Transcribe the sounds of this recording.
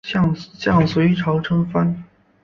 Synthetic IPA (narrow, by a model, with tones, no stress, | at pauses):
ɕɑ˥˩ŋɕjɑ˥˩ŋsu˨˩i˥˩ʈ͡ʂʰɑ˧˥ʊʈ͡ʂʰɤ˥ŋfa˥n